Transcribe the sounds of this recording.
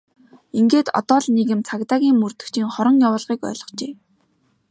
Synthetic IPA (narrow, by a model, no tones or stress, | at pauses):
iŋɡeːt̪ɔ̰t̪ɔːɮnekɘ̆mt͡sʰakt̪aːɣʲiːŋmɵrt̪ɵ̆kt͡ɕʰiːŋχɔɾɞ̆ŋjawʊːɮʁiːkœ̰ːɮɞ̆χt͡ɕeː